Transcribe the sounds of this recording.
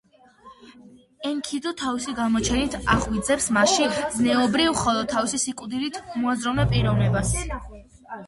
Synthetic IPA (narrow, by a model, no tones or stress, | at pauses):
ɛŋkʰid̪ut̪ʰavisiɡamɔt͡ʃʰɛnit̪ʰaʁwid̪zɛpsmaʃiznɛɔbɾivχɔlˠɔd̪̚t̪ʰːavisisikʼwd̪ilit̪ʰmɔazɾɔnɛpʼiɾɔvnɛbas